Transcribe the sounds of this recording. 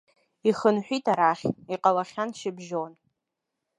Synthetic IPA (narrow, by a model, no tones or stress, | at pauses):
iχənħʷᶣitʰaɾaχʲiqʼalaχʲanʃɪbʒon